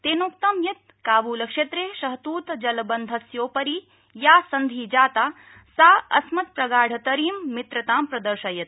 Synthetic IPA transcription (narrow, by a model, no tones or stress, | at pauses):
t̪eːnoːk̚t̪ɐmjɐt̪̚ | kaːʋuːlɐkʃɐt̪ɾeːʃɐɦt̪uːt̪d͡ʒɐlbɐnd̪ʱɐsjoːpɐɾi | jaːsɐnd̪ʱiːd͡ʒaːt̪aː | saːɐ̰smɐt̪pɾɐɡaːɽ̤ʱɐt̪ɐɾiːmːit̪ɾɐt̪aːmpɾɐd̪ɐɾʃɐjɐt̪̚